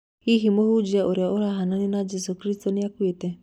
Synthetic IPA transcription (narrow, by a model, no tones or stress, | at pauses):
iɦimohud͡ʒiaʔoɾjaoɾaɦananinad͡ʒɛsukɾistɔniakwetɛ